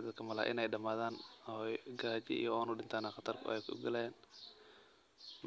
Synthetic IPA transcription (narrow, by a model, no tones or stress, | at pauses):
d̪ɐkʰɐmɐla̰ʔɪ̰nɛjɗɐmaːðaːnɔjɡaːt͡ʃɪ̰ʔḭjɔɔːnuːɗɪnt̪ʰaːnaːχɑt̪ʰɐrkʰʊ̰ʔɛjkʰʊʊ̰ɡɐlɛjaːn | m